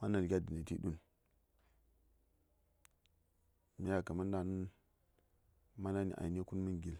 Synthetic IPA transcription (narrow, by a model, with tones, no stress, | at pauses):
ma˦na˨lɡʲa˦di˨na˨ti˦ɗu˦n | mi˦ja˨ka˨ma˦n˦da˨nu˦n | ma˦na˦nḭ˨ʔa̰˨i˨n˦e˦ku˦nmə˦nɡi˨l